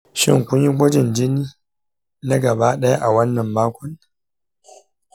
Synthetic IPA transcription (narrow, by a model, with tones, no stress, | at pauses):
ʃɪ̰˦ŋkʷʊ˦ɲji˦ɡʷɐ˦d͡ʒɪ˨nd͡ʒɪ˦niː˦ | na˦ɡɐ˨baː˦ɗɐ˦ja˦ʔa˨wɐ˦nːɐ˨mːaː˦kʷɔ˦n